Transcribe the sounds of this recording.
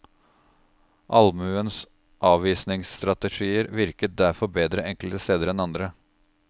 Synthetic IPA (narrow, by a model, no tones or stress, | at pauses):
ʔɑlmʉəns | ʔɑːʋʋiːsnɪŋsst̪ɾɑt̪əʂiːəɾʋɪɾkət̪̚d̪æɾfɔɾbeːd̪ɾəʔɛŋklt̪əst̪eːd̪əɾɛnɑnd̪ɾə